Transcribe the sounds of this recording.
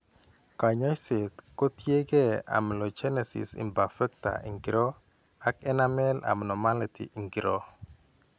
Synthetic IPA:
ka˨ɲa˦jse˨t̪ko˦tje˦ɡe˦a̰˨mlɔ˨d͡ʒɛ˦nɛ˨sɪ̰˨sḭ˨mba˨fɛ˦k̚ta̰˨ʔḭ˨ŋɡi˨ɾɔ˦ | a˦kɛ˦na˦mɛ˦la̰˨mnɔ˨ma˦li˨tḭ˨ʔi˨ŋɡɾɔ˦

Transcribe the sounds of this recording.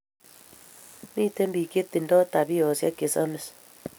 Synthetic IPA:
mi˦te˦mbi˨ke˦t̪ːi˨ndɔ˦ta˨bi˦ɔ˨sja̰˦ke˨sa˦me˨s

